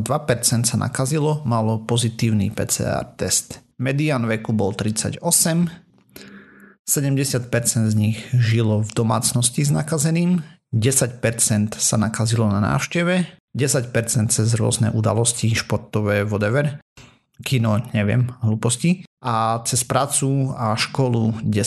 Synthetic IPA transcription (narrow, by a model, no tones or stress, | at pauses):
d̪ʋapɛɾt͡sɛnt̪sana̰kazilɔmalɔpɔzit̪iːʊnḭpɛ̰ːt͡sɛ̰ːa̰ːɾt̪ɛst̪mɛd̪iaːnʋɛkubɔlt̪ɾit͡sa̰ɟɔsɛm | sɛɟɛmɟɛsɪat̪̚pɛɾt͡sɛnd̪zɲiɣʒilɔvd̪ɔma̰ːt͡snɔsciznakazɛniːm | ɟɛsacpɛɾt͡sɛnt̪sanakazilɔnana̰ːʊʃcɛʋɛɟɛsacpɛɾt͡sɛnt̪̚t͡sɛzɾʊɔ̰znɛ̰ʔud̪a̰lɔsciʃpɔɾt̪ɔʋɛːʋɔd̪ɛʋɛɾ | kinɔɲɛʋɪɛ̰mɦluːpɔsciʔat͡sɛspɾaːt͡suaʃkɔluɟɛ